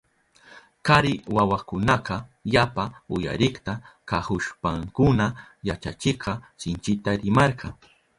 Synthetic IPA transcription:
kaɾɪwawakʊnɑqɑjapaʊja̰ɾɪχt̪akahʊʃpaŋkʊnajat͡ʃat͡ʃɪqɑsɪnt͡ʃɪt̪aɾɪmɑɾɢɑŋ

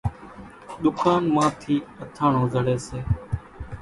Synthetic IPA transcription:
ɗ̪ʊkaːnmãːt̪ʰiːət̪ʰaːɳõːzəɽeːseː

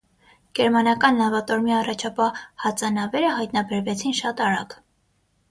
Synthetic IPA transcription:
ɡ̥ɛɾmɑnɑkɑnlɑvɑt̪ɔɾmiɑrɑt͡ʃʰɑpɑhɑt͡sɑnɑvɛɾəhɑjt̪nɑbɛɾvɛt͡sʰinʃɑt̪ɑɾɑ̰ɡ

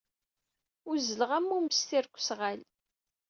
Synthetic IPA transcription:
ʊzələʁæmːuməst̪iɾkʷːsʁæl

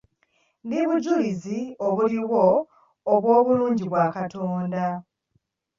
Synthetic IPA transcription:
niβuɟulizioβuliwo̞ː | βwo̞ːβuluːɲɟiβwaːkatʰo̞ːnda

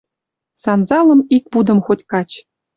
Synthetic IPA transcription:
sɑnzɑlˠɤ̆mik̚pud̪ɤ̆mxotʲkɑt͡ɕ

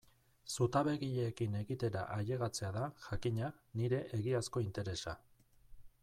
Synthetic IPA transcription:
sut̪aβe̞ɣiʎeːkine̞ɣit̪e̞ɾa̰ʔaʎe̞ɣat͡se̞aðaʝakiɲaniɾe̞ʔeɣiasko̞int̪e̞ɾe̞sa̰

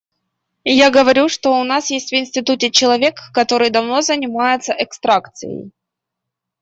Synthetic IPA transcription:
jaɡəvɐɾʲuʂt̪o̞ʊnasjesʲtʲvɪnsʲtʲɪt̪utʲɪt͡ɕɪlˠɐvʲe̞kːɐt̪o̞ɾɨjd̪ɐvno̞zənʲɪmajɪt̪səʔɛkst̪ɾakt̪sɨ̰jə̰j

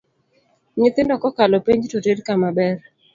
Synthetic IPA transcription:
ɲɪt̪ɪndɔkɔkalɔpeɲd͡ʒtotedkamabɛr

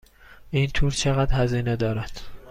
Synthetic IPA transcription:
ʔiːnt̪ʰuːɾt͡ʃʰeɣæd̪hæziːned̪ɒːɾæd̪̥

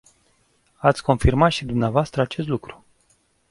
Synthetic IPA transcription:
at̪sʲko̞nfirmat̪ʃid̪umneavoast̪ɾəat͡ʃe̞st̪lukɾu̥

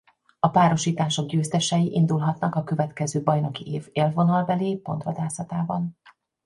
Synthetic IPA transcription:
ɒpaːɾo̞ʃiːt̪aːʃo̞ɡɟøːst̪ɛʃɛjiʔind̪ulɦɒt̪nɒkɒkø̞vɛt̪kɛzøːbɒjno̞kiʔeːveːlvo̞nɒlbɛleːpo̞̰nt̪ʋɒd̪aːsɒt̪aːbɒn

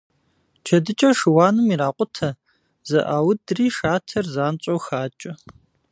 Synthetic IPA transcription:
t͡ʃʰɐdɨt͡ʃʼɐʂɨwaːnɨmiɾaːqʷʼʊtʰɐ | zɐ̰ʔaːwʊdriːʂaːtʰɐrzaːnt͡ʃʼowxaːt͡ʃʼɐ

